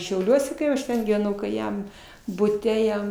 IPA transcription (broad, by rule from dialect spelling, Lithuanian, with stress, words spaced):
ʃʲɛʊˈlʲuɔsʲɛ kɐɪ ˈɐʃ tʲɛn ɡʲiːʋʲɛˈnɐʊ kɐɪ ˈjɛm bʊˈtʲɛ ˈjɛm